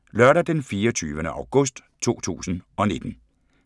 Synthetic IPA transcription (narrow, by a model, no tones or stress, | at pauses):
lœɐɾɐd̥enfiːɒt͡sʰyːʋənəʔɑ̈ʊɡ̥ɔ̽sd̥ | t͡sʰo̝̰ːt͡sʰṵːsn̩ʔɒ̽ne̝d̥n̩